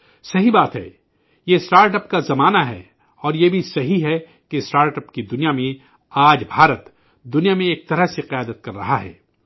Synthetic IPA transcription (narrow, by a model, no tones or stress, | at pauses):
sɐɦibaːt̪ɦɛ̰ː | jesʈaːɾʈəpkazɐmaːnaɦɛ̰ | ɔːɾjebʱisɐɦiɦɛ | kesʈaːɾʈəpkid̪ʊnijamẽ | aːd͡ʒbʱaːɾət̪ | d̪ʊnijamẽeːk̚t̪ɐɾəɦseqɪjaːd̪ət̪̚kɐɾːɐ̰ɦaɦɛ̰ː